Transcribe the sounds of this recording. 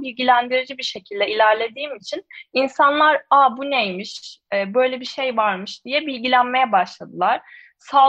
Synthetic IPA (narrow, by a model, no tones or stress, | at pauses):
bilʲɟilʲænd̪iɾid͡ʒibiɾʃe̞cʰilʲd̪ɛilʲæɾlʲe̞d̪iːmit͡ʃʰininsanlˠaɾabunejmiʃɛːbø̞jlʲebiʃe̞jvaɾmɯʃd̪̥ijɛbilʲɟilʲænme̞jɛbaʃlˠad̪ɯlˠaɾ̥ | saː